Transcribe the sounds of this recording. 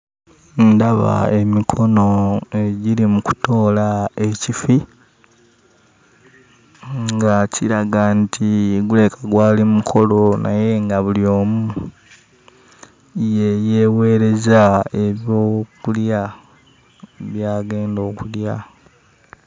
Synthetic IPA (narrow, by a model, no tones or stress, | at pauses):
ndaβa̰e̞mikʰo̞no̞e̞ɟiɾimuku̥to̞ːlae̞cifi | ŋɡaciɾaɡantʰiɡule̞kʰaɡwaːlimukʰo̞lo̞na̰je̞ŋɡaβuljo̞ːmu | jeje̞ːwe̞ɾe̞zaeβjokulja | βjaːɡe̞ːndo̞ːkulja